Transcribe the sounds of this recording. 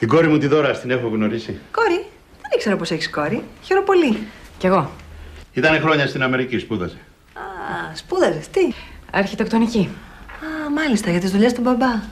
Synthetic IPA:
t̪iɡo̞ɾimut̪iðo̞ɾɐst̪ine̞xoɣno̞ɾisiko̞ɾi | ðenikse̞ɾopo̞se̞çisko̞ɾiçe̞ɾo̞po̞liceɣo̞ | it̪ɐnexɾo̞ɲɐst̪inɐme̞ɾicispuðɐ̰ze | ɐspuðɐzet̪iɐɾçit̪e̞kt̪o̞niciɐmɐlist̪ɐʝɐt̪izðuʎe̞st̪ubɐbɐ

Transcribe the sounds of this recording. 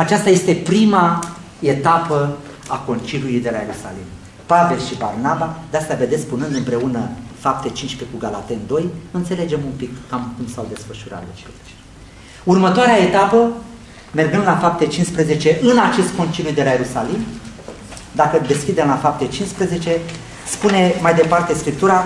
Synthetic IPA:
at͡ʃast̪aje̞st̪e̞pɾima | e̞t̪apə | ako̞nt͡ʃiljulijd̪e̞laje̞ɾusa̰lim | pave̞lʃibarnabad̪east̪ave̞d̪esʲpunɨnd̪ɨmpɾe̞unəfap̚t̪et͡ʃinʃʲpekuɡala̰t̪e̞nd̪o̞jɨnt̪se̞le̞d͡ʒe̞mumpikːamkumsawd̪e̞sfəʃuɾʔa̰t̪d̪et͡ʃelt͡ʃ | urmət̪oaɾeae̞t̪apə | me̞rɡɨnd̪lafap̚t̪e̞t͡ʃinspɾeze̞t͡ʃe̞ʔɨnat͡ʃe̞st̪̚ko̞nt͡ʃiljujd̪e̞lajeɾusalim | d̪akəd̪e̞skʲid̪e̞mlafap̚t̪e̞t͡ʃinspɾeze̞t͡ʃe̞ | spune̞majd̪e̞part̪e̞skɾip̚t̪uɾa

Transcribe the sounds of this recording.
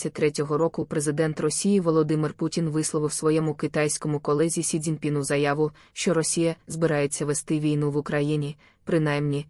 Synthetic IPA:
ɐtʲt̪ɾɛtʲɔɦɔɾɔkʊpɾe̞zɪd̪ɛnt̪rɔsʲijiʋɔlˠɔd̪ɪmɪrputʲinʋɪslˠɔʋɪwsʋɔjɛmʊkɪt̪ɑjsʲkɔmʊkɔlˠɛzʲisʲidʲinpʲinuzɐjɑʋʊ | ʃt͡ʃɔɾɔsʲijɐzbɪɾɑje̞t͡sʲːɐʋest̪ɪʋʲijnuʋʊkɾɐjinʲi | pɾɪn̪ɑjmnʲi

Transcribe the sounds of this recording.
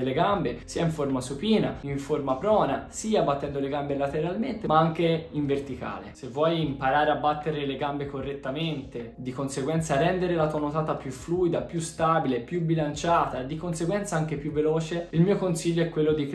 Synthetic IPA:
lːeɡambesiːaiɱformasupiːnaiɱformapɾɔːnasiːabat̪ːɛnd̪oleɡambelat̪eɾalment̪emaaŋk̟eiɱvert̪ika̰ːlḛsevːwɔjimpaɾaːɾeabːat̪ːeɾeleɡambekorːet̪ːament̪ed̪ikonseɡwɛnt̪sarɛnd̪eɾelat̪uanot̪aːt̪apjufluːid̪apjust̪aːbilepjubilant͡ʃaːt̪aed̪ːikonseɡwɛnt̪saaŋk̟epjuvːelɔːt͡ʃeilmiːokonsiʎːoɛkːwelːod̪ik

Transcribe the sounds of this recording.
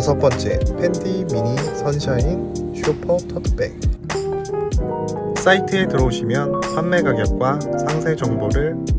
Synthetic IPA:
sʰʌp͈ʌnt͡ɕ͈e̞̰pʰe̞ndimiɲisʰʌnɕʰaiŋ | ɕʰupʰʌtʰʌtʰɯ̥pḛŋ | s͈aitʰɯetɯɾʌuɕʰimjʌnpʰamːe̞ɡaɡjʌp̚k͈wasʰaŋsʰe̞d͡ʑʌŋboɾɯɭ

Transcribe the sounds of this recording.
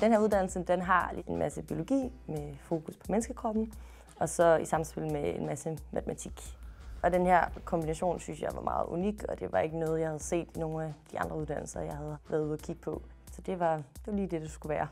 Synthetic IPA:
d̥enheæɐuðˠd̥æn̰l̩səd̥enɦɑ̈enmʔæsəb̥io̝lo̝ɡ̥ḭːmefo̝ːkʰuspʰɒ̽menəsɡ̥əkʰʁɒb̥n̩ | ɒ̽sɒ̽isɑ̈msb̥elmeḛnmæsəmæt͡sʰəmæt͡sʰiɡ̥ɒ̽d̥enheɐ̰kʰɒ̽mb̥inæɕo̝̰ːnsynsjɑ̈ɪʋɑ̈mɑ̰̈ːð̞̩ˠuniɡ̥ɒ̽d̥e̝ʋɑ̈e̝ɡ̥ənɔ̽ːð̞̩ˠjɑ̈ɪhæð̞̩ˠse̝̰ːd̥ino̝ːn̩æd̥iɑ̈nd̥ʁɐuð̞ˠd̥æn̰l̩sɐjɑ̈ɪhæð̞ˠʋæɐðˠuðˠɐkʰiɡ̥ə̥pʰɒ̽ | sɒ̽d̥e̝ʋɑ̈d̥e̝ʋɑ̈liːd̥e̝d̥usɡ̥uʋæːɐ

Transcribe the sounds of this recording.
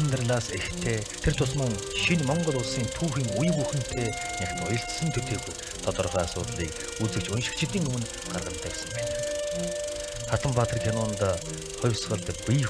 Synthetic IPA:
nt̪ə̆rɮaːsext̪ʰeːt̪ʰert̪ʰʊsmə̆ŋ | ʃinmɔɴɢɞ̆ɮʊɮsiːnt̪ʰuːxiːŋujɣuxɘ̆n̥t̪ʰeː | nakt̪ʊjɞ̆ɬt̪sɘ̆nt̪ʰɵt̪eːɣuj | t̪ʰɔt̪ɞ̆rʁaːasʊ̰ːt̪ɮiːk | ut͡sɘ̆kt͡ɕʊnʃɪ̆kt͡ɕʰɪ̆t̪iːŋɵmɘ̆n | ɢa̰rʁə̆nt̪ʰæːsə̆mpæːn | χat̪ʰə̆mpaːt̪riːk̪ʰʲjanʊːnt̪aː | χɔjwsɢə̆ɮt̪pʲi

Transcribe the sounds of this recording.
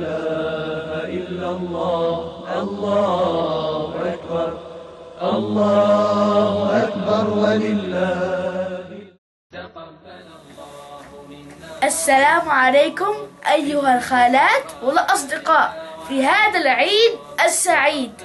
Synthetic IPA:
aːhʔɪlːalˤːɑːʔɑlˤːɑːhʊʔakbɑɾˤ | ʔɑlˤːɑːhʊʔakbɑɾˤwalɪlːaː | ʔasːalaːmʕalejːkʊmʔajːʊɦalxaːlaːt̪wɪllʔɑs̬ˤd̪ɪqɑːʔfiɦaːðalʕiːd̪̚ | ʔasːaʕiːd̪

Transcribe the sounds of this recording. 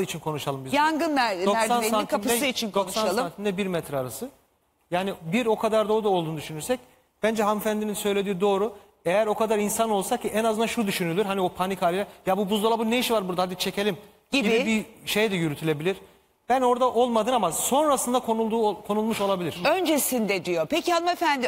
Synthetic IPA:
it͡ʃʰinkʰo̞nuʃalˠɯmbizjaŋɡɯnæd̪osansankainɯsɛɯit͡ʃʰind̪okssaʃnlsˠant̪ʰind̪ɛbiɾmɛt̪ʰɾɛːɾasɯ | jaːnibiɾo̞kʰad̪aɾd̪oːud̪aolˠd̪uːnud̪yʃynyɾsɛc | b̥ænd͡ʒɛɦamfænd̪ininsø̞jlʲe̞d̪iːd̪o̞ːɾu | ejæɾo̞kʰad̪aɾinsano̞lˠsakcʰːiʔɛnazɯnaʃud̪yʃynylʲyɾɦaniopʰanikʰalʲilʲɛjabubuzd̪alˠabuneiʃvaɾbuɾd̪ahad̪it͡ʃʰecʰelʲim | ɟiibibiʃe̞jd̪ɛjyɾyt̪ʰylʲe̞bilʲiɾ̥ | b̥æno̞ɾd̪aʔo̞lˠmad̪ɯːnamaso̞nɾasɯnd̪akʰoulˠd̪uːkʰo̞nulˠmuʃo̞lˠabilʲiɾ̥ønd͡ʒesind̪ɛd̪ijopʰecianɯmefænd̪ɪ

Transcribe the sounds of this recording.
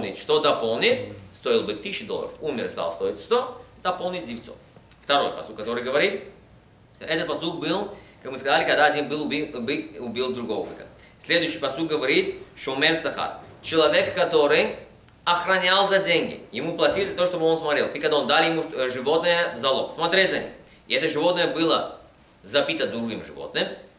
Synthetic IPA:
nʲɪtʲʂt̪od̪ɐpo̞lˠnʲɪt̪ʲst̪o̞ɪlˠbɨt̪ːɨɕːɪd̪olˠə̰ɾə̰fumʲɪ̰rst̪a̰lˠst̪o̞ɪtʲst̪od̪ɐpolˠnʲɪt̪̚ʲdʲɪft̪so̰ft̪ɐɾo̞jpɐ̰sukːɐt̪o̞ɾɨjɡəvɐɾʲit̪ | t̪oʔɛt̪ət̪pɐsuk̚bɨlˠkakmɨskɐzalʲɪkɐɡd̪aɐdʲinbɨlˠbʲibɨʊbʲilˠd̪ɾʊɡo̞vəbɨ̰kə̥ | sʲlʲed̪ʊjɕːɪjpɐsuk̚ɡəvɐɾʲit̪ʂt̪omʲersɐxa̰rt͡ɕɪlˠɐvʲekːɐt̪o̞ɾɨj | ɐxɾɐnʲalˠzɐdʲeŋʲɡʲɪ̰jɪmuplˠɐtʲilʲɪdzʲɐt̪oʂt̪obɨo̞nsmɐt̪ɾʲe̞lˠpikɐɡd̪aond̪alʲjɪmuʐɨvo̞t̪nɨjəvzɐlˠoksmɐt̪ɾʲetʲzɐnʲḭm | ɪɛt̪əʐɨvo̞t̪nəjəbɨlˠə | zɐpʲit̪əd̪ɾuɡʲimʐɨ̰vo̰t̪nɨjm

